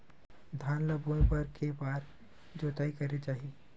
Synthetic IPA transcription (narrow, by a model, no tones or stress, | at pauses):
d̪ʱaːnləbuẽpɐɾkebaːɾ | d͡ʒoːt̪aːikɐɾet͡ʃaːɦie